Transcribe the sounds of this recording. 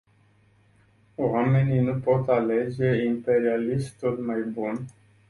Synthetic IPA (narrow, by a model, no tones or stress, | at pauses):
wame̞ninupo̞t̪ale̞d͡ʒe̞impe̞ɾialiʃt̪t̪olmajbun